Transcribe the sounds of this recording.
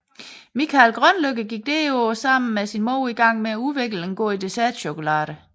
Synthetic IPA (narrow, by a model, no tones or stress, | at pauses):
mikʰælɡ̥ʁœnløɡ̥əɡ̥iɡ̥̚d̥e̝ːoːsɑ̈m̰n̩mesinmɔʊ̰iɡ̥ɑ̈ŋ̰meæuʋeɡ̥leŋɡ̥ɔ̰ːid̥e̝sæɐd̥ɕokʰo̝lɑ̰̈ːdə